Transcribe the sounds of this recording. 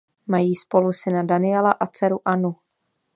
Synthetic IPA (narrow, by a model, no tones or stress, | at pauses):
majiːspo̞lusɪnadanɪjɛlaʔat͡sɛɾuʔanu